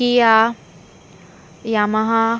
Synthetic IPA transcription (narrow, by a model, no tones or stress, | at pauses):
ija | jamaɦa